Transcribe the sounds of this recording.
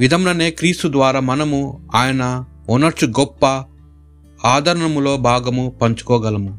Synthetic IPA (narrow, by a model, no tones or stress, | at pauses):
ʋid̪ʱɐmlɐne̞ːkɾiːst̪ud̪ʋaːɾaːmɐnɐmuaːjɐnɐ | ɔnɐt͡ʃːuɡɔpːɐ | aːd̪ʱɐɾɐɳɐmulo̞ːbʱaːɡɐmupɐɲt͡ʃu̥kɔːɡɐlɐmu